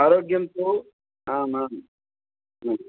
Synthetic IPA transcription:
aɾoːɡjɐmt̪o | ɦãːmɦãːm | ɦa

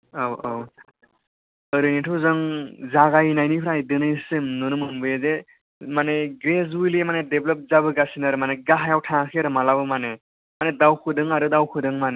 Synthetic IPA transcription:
awaw | əɾɯnitʰɯwzɯŋzaɡajnajnipʰɾajdɯnɯjsɯmnɯnɯmɯmbɯjeze | maneɡɾezujliemanedeblɔp̚zabɯɡasinaɾɯmaneɡaɦajawtʰãkʰeɾɯmalabɯmane | manedawkʰɯdɯŋaɾɯdawkʰɯdɯŋmane

